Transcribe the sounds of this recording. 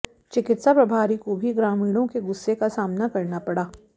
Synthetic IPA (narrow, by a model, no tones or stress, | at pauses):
t͡ʃɪkɪt̪sapɾɐbʱaːɾikobʱiɡɾaːmiːɽ̃õkeɡʊsːekasaːmnakɐɾnapɐɽaː